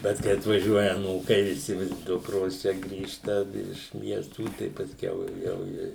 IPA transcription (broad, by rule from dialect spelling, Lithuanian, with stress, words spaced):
ˈbʲɛt kɐɪ ɐtʋɐˈʒʲuɔjɛ ɐˈnuːkɐɪ ʋʲɪˈsʲɪ ˈdʊkroːs ˈt͡ʃʲɛ ˈɡrʲiːʃtɐ ɪʃ ˈmʲiɛstuː tɐɪ pɐsʲˈkʲɛʊ ˈjɛʊ ɪ